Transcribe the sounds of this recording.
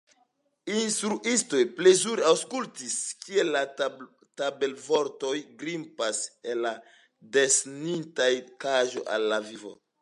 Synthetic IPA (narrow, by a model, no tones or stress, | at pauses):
instɾuʔisto̞jple̞zuɾeawskultiskie̞lːa | tabe̞lvo̞ɾto̞jɡɾimpaselːa | desnintajkaʒo̞̰ʔa̰lːavivo̞̰